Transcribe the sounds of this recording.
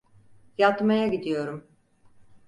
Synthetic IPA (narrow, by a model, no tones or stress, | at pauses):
jat̪majaɟid̪ijo̞ɾum